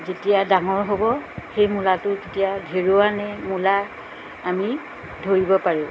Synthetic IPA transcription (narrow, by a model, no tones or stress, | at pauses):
zetijadaŋɔɹɦobɔxejmulatʊketijadʱeɹowanɛmulaː | mi | dʱoɹibɔpaɹi